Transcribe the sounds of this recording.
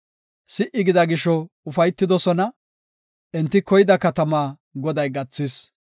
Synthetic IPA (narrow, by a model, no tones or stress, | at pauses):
sɪʔɪɡɪd̪ɐɡɪʃɔ | ʊfɐjt̪ːɪd̪ɔsɔnɐ | ʔɛnt̪ːɪkɔjɪd̪ɐkɐt̪ɐmaː | ɡɔd̪ɐjɡɐt͡sːɪs